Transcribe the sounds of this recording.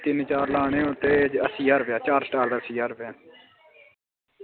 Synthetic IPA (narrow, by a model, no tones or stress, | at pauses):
t̪ɪnt͡ʃaːɾlaːɳẽːõːt̪eːd͡ʒəsiːaːɾʋɪjaːt͡ʃaːɾsʈaːld̪əsiːaːɾʋjaː